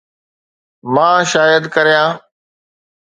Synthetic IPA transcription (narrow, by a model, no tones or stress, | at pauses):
mãːʃaːjəd̪kəɾijãː